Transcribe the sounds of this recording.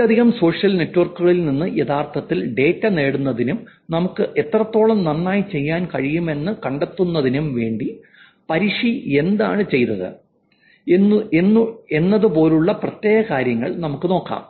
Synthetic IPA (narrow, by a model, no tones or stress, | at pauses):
ɐd̪ʱiɣɐmso̞ːʂjɐlne̞tːuʋɐrkːuɣɐɭilninːɨjeðaːrt̪ʰɐt̪ːilɖe̞ːtːɐne̞ːɽunːɐðinumnɐmukːɨʔe̞t̪ːrɐt̪ːo̞ːɭɐmnɐnːaːjit͡ɕe̞jːaːnkɐɻijume̞nːɨkɐɳɖet̪ːunːɐðinumʋe̞ːɳɖi | pɐɾiʂie̞nd̪a̰ːɳɨt͡ɕe̞jt̪ɐðɨ̰ | ue̞nːɐðupo̞ːluɭːɐprɐt̪je̞ːɣɐkaːɾjɐŋːɐ̰ɭnɐmukːɨno̞ːkːa̰ːm